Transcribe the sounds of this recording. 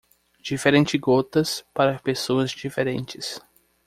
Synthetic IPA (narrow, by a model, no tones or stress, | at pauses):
d͡ʒifeɾẽnt͡ʃɪɡot̪ɐspaɾɐpesoɐzd͡ʒifeɾẽnt͡ʃɪs